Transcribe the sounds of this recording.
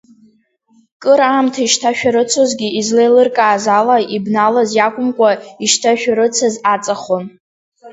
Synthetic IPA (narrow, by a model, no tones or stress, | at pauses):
kʼɨɾaːmtʰaiʃtʰaʃᶣaɾɨt͡sʰozɡʲiizlejlɨrkʼaːzalaibnalazjakʷʼʊmkʷʼaiʃtʰaʃᶣaɾɨt͡sʰazat͡sʼaχon